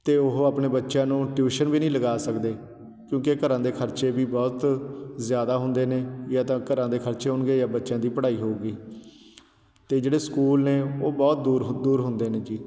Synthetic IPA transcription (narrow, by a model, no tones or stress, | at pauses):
t̪eːʊɦaːpneːbətːʃãːnũːʈjuːʃənʋiːnĩːləɡaːsəkd̪eː | kjõːkekəɾãːd̪eːkʰəɾt͡ʃeːbiːbɔːt̪zjaːd̪aːɦʊnd̪eːneːjaːt̪ãːkəɾãːd̪eːkʰəɾt͡ʃeːɦʊnɡeːjaːbətːʃãːd̪iːpəɽaːiːɦoːɡiː | t̪eːd͡ʒeːɽeːskuːlneːoːbɔːt̪̚d̪uːɾd̪uːɾɦʊnd̪eːneːd͡ʒiː